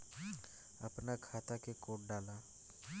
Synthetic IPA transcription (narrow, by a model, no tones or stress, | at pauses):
ɐpnakʰaːt̪akekoːʈ̚ɖaːlaː